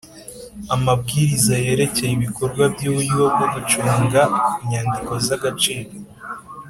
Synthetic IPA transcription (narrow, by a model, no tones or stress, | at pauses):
amab̚ɡiːɾizaje̞ɾe̞ce̞jiβiko̞ɾɡwabɟuwujiwobɡoɡut͡ʃuːŋɡaiɲaːndiko̞zaɡat͡ʃiːɾo